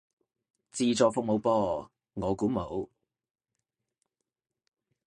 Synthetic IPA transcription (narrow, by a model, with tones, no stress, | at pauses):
t͡siː˧t͡sɔː˨˧kfʊ˨k̚mo˨˧wpɔː˧ | ŋɔː˨˧kuː˨˥mo˨˧w